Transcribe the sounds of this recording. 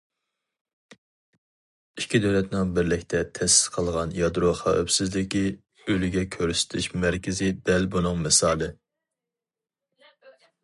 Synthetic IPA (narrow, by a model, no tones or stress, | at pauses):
ikʲid̪øwlɛt̪nɪŋbɪɾlɪkʲt̪ʰɛt̪ʰɛsɪ̥sqʰəlˠʁɑnjɑd̪ɾoχɑ̰ø̰psɪzlɪkʲi | ølyɡʲɛkʲʰøɾsɪ̥t̪ʰɪʃmæɾkʲʰɪzɪd̪ɛlbunɨŋmɪsɑːlˠɨ